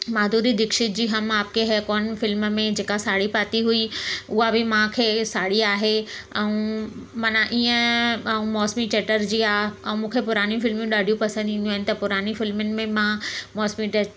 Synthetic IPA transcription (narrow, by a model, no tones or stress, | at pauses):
maːd̪ʱuːɾid̪ɪkʃɪt̪̚d͡ʑiːɦɐmaːp̚kʰeɦɛːkɔːnfɪlmmẽd͡ʑeːkasaːɽipaːt̪iɦuiʊɦabʱɪmãkʰeːsaːɽiaːɦeɛ̃ũmɐnaʔiːə̃ɛũmɔːsmit͡ɕeːʈəɾd͡ʑiːaːɛ̃ũmũːkʰepʊɾaːnjũfɪlmẽɗaːɖʱijũpɐsə̃nd̪ĩnd̪juaɦɪnɪ̆t̪ɐpʊɾaːnifɪlmənɪ̆mẽmãmɔːsmiʈe